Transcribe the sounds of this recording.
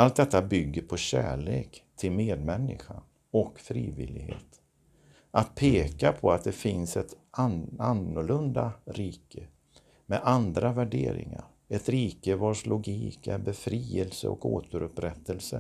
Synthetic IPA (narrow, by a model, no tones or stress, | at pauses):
alt̪̚d̪ɛt̪ːabʏɡːəɾpʰɔɕæːɭeːkt̪ʰɪlmeːd̪mɛnːɪɧa | ɔkfɾiːvɪlɪɡhḛːt̪ | ʔat̪̚pʰeːkapʰɔat̪̚d̪ɛfɪnsɛt̪aanːʊɭɵnd̪aɾiːkʰə | mɛʔand̪ɾavæɖeːɾɪ̰ŋa̰ɾ | ɛt̪ɾiːkəvɑːʂlʊɡiːkɛɾbɛfɾiːəlsəɔ̰koːt̪əɾɵpɾɛt̪ːəlsə